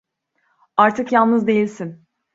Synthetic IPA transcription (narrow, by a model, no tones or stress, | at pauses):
aɾt̪ʰɯkjalˠnɯzd̪ejilʲsin